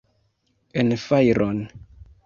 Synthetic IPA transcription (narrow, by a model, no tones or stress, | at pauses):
enfajɾʔon